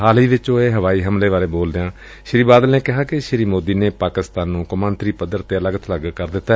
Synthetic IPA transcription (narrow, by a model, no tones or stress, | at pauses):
ɦaːliːʋɪt͡ʃõːeːɦəʋaːiːɦəmleːʋaːɾeːboːld̪ejãː | ʃɪɾiːbaːd̪əlneːkɪɦaːkɪʃɪɾiːmoːd̪iːneːpaːkɪst̪aːnːũːkʊmə̃ːnt̪ɾiːpəd̪əɾt̪eːələɡt̪ʰləɡkəɾd̪ɪt̪ːaː